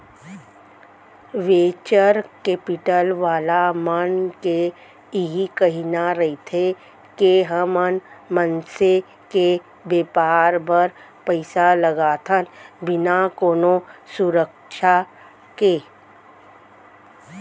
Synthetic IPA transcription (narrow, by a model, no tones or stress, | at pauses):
ʋeːt͡ʃəɾkeːpɪʈəlʋaːlamənke | ɦikɐɦinaɾɐɦit̪ʰe | keɦəmənmənse | ke | beːpaːɾbəɾ | pəɪsaləɡaːt̪ʰənbɪnakoːnosʊɾək | ʃʰa | ke